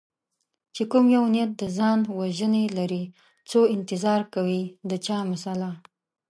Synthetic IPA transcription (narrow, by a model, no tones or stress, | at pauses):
t͡ʃekumjawnijat̪̚d̪əzɑnwaʒənelaɾi | t͡soɪnt̪ɪzɑɾkawid̪ət͡ʃɑmasala